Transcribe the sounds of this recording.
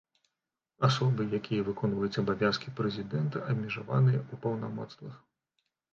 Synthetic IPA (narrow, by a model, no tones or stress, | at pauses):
asɔbɨjakʲʰijɐvɨkɔnvɐjut͡sʲɐbavʲjaskʲipɾɛzʲid̪ɛnt̪ɐʔɐbmʲiʐava̰nɨjɐupɐwnamɔ̰t̪st̪vɐx